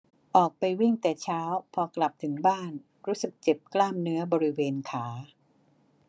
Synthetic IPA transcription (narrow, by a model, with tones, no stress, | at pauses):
ʔɔː˨˩k̚pa˧jwi˥˩ŋt̪ɛː˨˩t͡ɕʰaː˦˥wpʰɔː˧kla˨˩p̚t̪ʰɯ˩˦ŋbaː˥˩n | ɾuː˦˥sɯ˨˩k̚t͡ɕe˨˩p̚klaː˥˩mnɯ˦˥ɐbɔː˧ɾi˦˥weː˧nkʰaː˩˦